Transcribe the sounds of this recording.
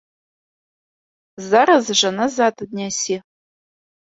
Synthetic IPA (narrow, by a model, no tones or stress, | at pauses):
zaɾɐzɨʒʷɐnɐzaːtʰʼɨd̚nʲasiː